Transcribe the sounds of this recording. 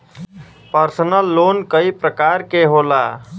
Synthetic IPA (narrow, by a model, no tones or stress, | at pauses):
pəɾsənəlːonkəipɾəkaɾkeɦola